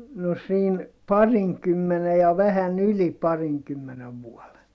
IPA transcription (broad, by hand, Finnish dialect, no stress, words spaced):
no siːn pɑriŋkymːene jɑ ʋæhæn yli pɑriŋkymːeneʋ ʋuɔle